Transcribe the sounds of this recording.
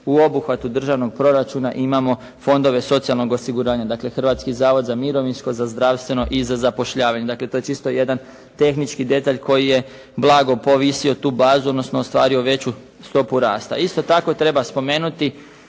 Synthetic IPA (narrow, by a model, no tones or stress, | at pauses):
uo̞buxʋat̪ud̪r̩ʒaʋno̞ɡ̚pɾo̞ɾat͡ʃunaʔimamo̞ | fo̞nd̪o̞ʋe̞so̞t̪sialno̞ɡosiɡuɾaːɲad̪akle̞xr̩ʋaːt̪skizaːʋo̞d̪zamiɾo̞ʋinsko̞zazd̪ɾaːʋst̪ʋe̞no̞ʔizazapo̞ʃʎaːʋaɲe̞d̪akle̞t̪o̞je̞t͡ʃist̪o̞je̞d̪an | t̪e̞xnit͡ʃkid̪e̞t̪aʎkʰo̞jije̞ | blˠaɡo̞po̞ʋisio̞t̪uːbaːzuod̪no̞snoːst̪ʋa̰ːɾioʋe̞t͡ɕu | st̪o̞puɾaːst̪a̰ist̪o̞t̪ako̞t̪ɾe̞baspo̞me̞ːnut̪i